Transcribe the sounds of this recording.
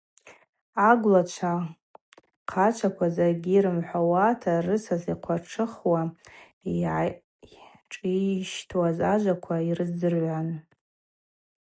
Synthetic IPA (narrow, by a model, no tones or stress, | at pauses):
aɡʷlat͡ʃʷʰa | qʰat͡ʃʷʰakʷʰazarɡʲiɾɨmħʷawatʰarɨsaziqʷʰarʈ͡ʂʰɨχwa | iʕ | ʈ͡ʂʼiʃtʰwazaʒʷakʷʰairɨzɨrʕʷan